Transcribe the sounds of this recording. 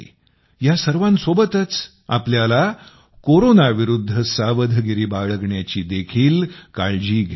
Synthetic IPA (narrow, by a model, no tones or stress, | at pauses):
jasəɾʋãnsobət̪ət͡s | apljala | koɾonaʋiɾud̪ʱːəsaʋəd̪ʱəɡiɾiːbaɭəɡɳjat͡ɕiːd̪ekʰiːlkaɭd͡ʑiːɡʱ